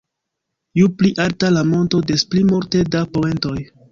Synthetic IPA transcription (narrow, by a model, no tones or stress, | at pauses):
jupliʔaltalamo̞nto̞de̞splimoɾte̞dapome̞nto̞j